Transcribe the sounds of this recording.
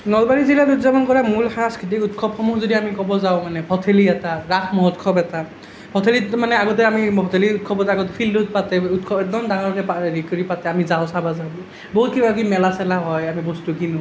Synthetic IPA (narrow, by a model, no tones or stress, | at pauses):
nɔlbaɹizilatutzabɔnkɔɹamulxaskʰɹit̬ikutkʰɔpxɔmuzodiamikɔbɔzaʊ̃manɛbʰʱɔtʰeliɛtaɹakʰmɔɦɔtkʰɔpɛta | bʰʱɔtʰelitmanɛaɡɔt̬ɛamibʱɔtʰeliut̚kʰɔbɔtaɡɔtɛpʰildut̚patɛutkʰɔbɛk̚dɔmdaŋɔɹkɛpaɹikɔɹipatɛamizaʊ̃sabazabi | bɔɦut̚kibakimɛlasɛlaɦɔjamibɔstukinu